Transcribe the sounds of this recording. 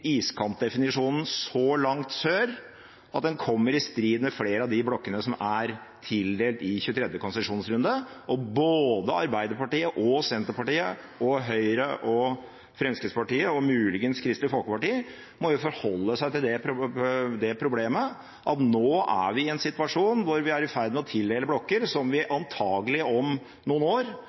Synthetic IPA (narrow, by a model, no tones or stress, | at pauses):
iːskʰɑmp̪̚d̪ɛfɪnɪʂuːnn̩sɔlɑŋt̪søːɾ | ʔɑt̪̚d̪ɛnkʰɔmːəɾɪst̪ɾiːd̪mɛfleːɾəɑd̪ɪblɔkːənəsɔmæɾ | t̪ʰɪld̪eːlt̪ɪçʉːət̪ʰɾɛd̪jəkʰʊnsəʂuːnsɾʉnd̪əʔɔboːd̪əɑ̰ɾbæɪd̪əɾpɑʈiːəʔɔsɛnt̪əɾpɑʈiːə | ɔɦœʏɾəʔɔ | fɾɛnskəspɑʈiːəɔmʉːlɪɡənskʰɾɪst̪lɪfɔlˠkəpɑʈiː | mɔjʊfɔɾhɔlːəsæɪt̪ɪld̪ɛ | d̪ɛpʰɾʊbleːmə | ʔɑt̪noːʔæ̰ʋɪɪɛnsɪt̪ʋɑʂuːnʋʊɾʋɪæɾɪfæɾd̪mɛɔt̪ʰɪld̪eːləblɔkːəɾsɔmʋɪʔɑnt̪ʰɑːɡəlɪɔm | nuːnoːɾ